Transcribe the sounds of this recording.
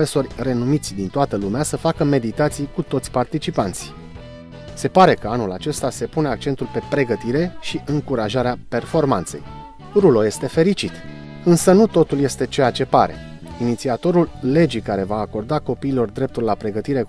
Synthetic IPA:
eso̞rʲre̞numit̪sʲd̪int̪oat̪əlumeasəfakəme̞d̪it̪at̪sijkut̪o̞t̪sʲpart̪it͡ʃipant̪si̥ | se̞paɾe̞kəanula̰t͡ʃe̞st̪ase̞pune̞ak̚t͡ʃent̪ulpe̞pɾe̞ɡət̪iɾe̞ʃiʔɨŋkuɾaʒaɾeape̞rfo̞rmant̪sej | ɾulo̞je̞st̪e̞fe̞ɾit͡ʃit̪ | ɨnsənut̪o̞t̪ulje̞st̪e̞t͡ʃe̞jat͡ʃe̞pa̰ɾe̞̰ | init̪siat̪o̞ɾulːe̞d͡ʒikaɾe̞vaːko̞rd̪ako̞piːlo̞rd̪ɾe̞p̚t̪ulːapɾe̞ɡət̪iɾe̞

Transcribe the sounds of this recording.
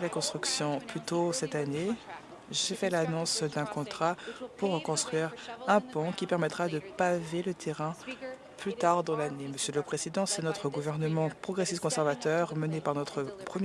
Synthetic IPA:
lakɔ̃st̪χyksjɔ̃plyt̪osɛt̪ane | ʒefɛlanɔ̃sd̪ɛ̃kɔ̃t̪χapuʁːəkɔ̃st̪χɥiːʁɛ̃pɔ̃kʲipɛʁmɛt̪χad̪əpavelət̪ʰeʁɛ̃ | plyt̪aʁd̪ɑ̃laneməsjələpχezid̪ɑ̃sɛnɔt̪χəɡuvɛʁnəmɑ̃pχɔɡʁesistkɔ̃sɛʁvat̪œʁmənepaʁnɔt̪χəpχəmj

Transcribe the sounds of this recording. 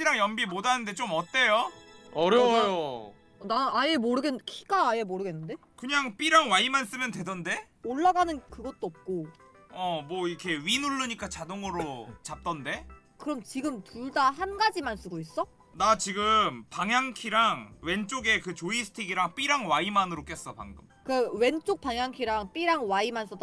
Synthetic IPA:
ɕiɾaŋjʌmbimodanɯnde̞t͡ɕomʌt͈e̞joʌɾjʌjo | ʌnanaje̞moɾɯɡekʰi̥ɡ̥aːjemoɾɯɡe̞nːɯnde̞ | kɯɲaŋp͈iɾaŋwaimans͈ɯmjʌndwe̞dʌnde̞ | oɭːaɡanɯnkɯɡʌt̚t͈oʌp̚k͈o | ʌmwʌikʰe̞ɥinuɭːɯɲik͈at͡ɕadoŋʌɾot͡ɕap̚t͈ʌnde̞ | kɯɾʌmt͡ɕiɡɯmtuɭdaɦanɡad͡ʑimans͈ʰuɡois͈ʌ | nat͡ɕiɡɯmpaŋjaŋkʰiɾaŋwe̞nt͡ɕ͈oɡe̞kɯt͡ɕoisʰɯ̥tʰiɡiɾaŋp͈iɾaŋwaimanɯɾok͈e̞s͈ʌpa̰ŋɡɯmmkɯwe̞nt͡ɕ͈ok̚p͈aŋjaŋkʰiɾaŋp͈iɾaŋwaimans͈ʌt͈

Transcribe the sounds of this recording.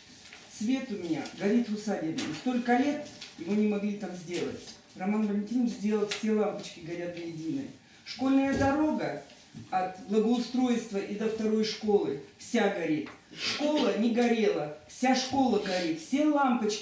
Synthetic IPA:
svʲe̞t̪ʊmʲɪnʲa̰ɡɐɾʲit̪vʊsadʲɪnə̰nʲst̪o̞lʲkəlʲe̞t̪jɪvo̞nʲɪmɐɡlʲit̪amzʲdʲe̞lˠə̰tʲ | rɐmanvəlʲɪnʲtʲinət͡ʃzʲdʲe̞lˠəlˠfʲsʲe̞lˠampət͡ɕkʲɪɡɐɾʲat̪vəjɪdʲinɨ̰j | ʂko̞lʲnəjəd̪ɐɾo̞ɡə | ɐt̪blˠəɡəʊst̪ɾo̞jst̪vəʔid̪əft̪ɐɾo̞jʂko̞lˠɨfsʲaɡɐɾʲit̪ | ʂko̞lˠənʲɪɡɐɾʲe̞lˠəfsʲaʂko̞lˠəɡɐɾʲit̪fsʲe̞lˠampət͡ɕkʲ

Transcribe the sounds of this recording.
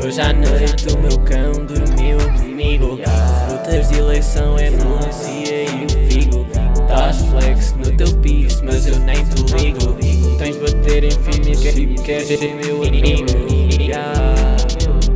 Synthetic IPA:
ewʒanõwet̪umewkɐ̃w̃d̪umewmiɣuut̪ɐzilˠɐjsɐ̃w̃ɛnulˠẽsiɐ | iviɣut̪aflˠɛksnut̪ewpiʃmɐzewnɐ̃j̃t̪umiɣuñt̪ɐ̃j̃ʒβɐt̪eɾẽj̃fimikɛikɛɾeẽmewɐmiɣua

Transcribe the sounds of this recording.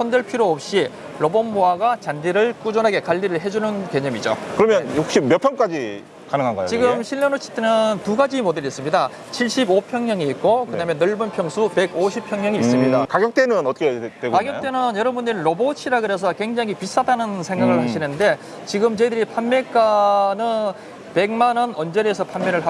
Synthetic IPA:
sʰʌndɯɭpʰiɾoʌp̚ɕ͈i | ɾobʌnmoaɡat͡ɕandiɾɯɭk͈ud͡ʑʌnɦaɡe̞kaʎːiɾɯɭɦe̞d͡ʑunɯnke̞ɲʌmid͡ʑo̰kɯɾʌmjʌnok̚ɕ͈imjʌpʰjʌŋk͈ad͡ʑi | kanɯŋɦanɡʌ̰j̰o̰t͡ɕiɡɯmɕʰiɭːʌnot͡ɕʰi̥t͈enɯntuɡad͡ʑimodeɾiːs͈ɯmɲida | t͡ɕʰiɭɕ͈ibopʰjʌŋɲʌŋiːt̚k͈okɯdamjʌnːɯɭbɯnpʰjʌŋsʰupe̞ɡoɕʰipʰjʌŋɲʌŋiːs͈ɯmɲidakaɡjʌk̚t͈enɯnʌtʰʌkʰetweɡokaɡjʌkt͈e̞nɯnjʌɾʌbundɯɾinɾobot͡ɕʰiɾaɡɯɾe̞s̬ʰʌkwe̞ŋd͡ʑaŋɦipis͈adanɯnsʰe̞ŋɡaɡɯɭhaɕʰinɯnde̞ | t͡ɕiɡɯmt͡ɕedɯɾipʰanme̞k͈anɯn | pe̞ɡmanʌnʌnd͡ʑeɾesʰʌpʰanmeɾɯɭɦa

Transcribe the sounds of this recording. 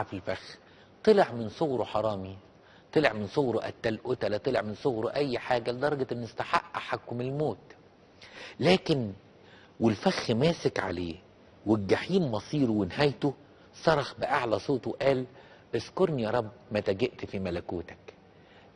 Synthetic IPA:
filfæx | t̪ˤɨleʕmɪnsoɣɾoħɑɾˤɑːmi | t̪ˤɨleʕmɪnsˤoɣɾoʔæ̰t̪ːælʔʊt̪ælæt̪ˤeleʕmɪnsˤoɣɾoʔæjːħaːɡæled̪ɑɾˤɑɡɑɪnːʊst̪aħa̰ʔːaħakːʊmɪlmoːt̪ | læːkɪn | welfæxːmæːsɪkʕa̰leː | welɡaħiːmːɑsˤiːɾwɪnhæjt̪o | sˤɑɾˤɑxbɪʔaʕlæsˤoːt̪ˤweʔæːl | ʔeʃkoɾˤnijɑːɾˤɑbːmæt̪æɡeʔt̪fimælækuːt̪æ̥k

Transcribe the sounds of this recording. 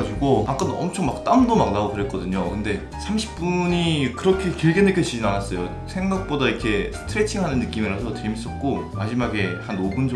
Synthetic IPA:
d͡ʑuɡoak͈anʌ̰mt͡ɕʰoŋmak̚t͈amdomak̚naotɯɾet̚k͈ʌdɯɲokɯnde̞ | sʰamɕʰi̥p̚p͈uɲikɯɾʌkʰe̞kiɭɡenɦekjʌt͡ɕid͡ʑinanas͈ʌjo | sʰe̞ŋɡak̚p͈odaikʰe̞sʰɯ̥tʰɯɾet͡ɕʰiŋɦanɯnːɯk͈imiɾasʰʌt͡ɕemis͈ʌt̚k͈omad͡ʑimaɡe̞hanobund͡ʑ

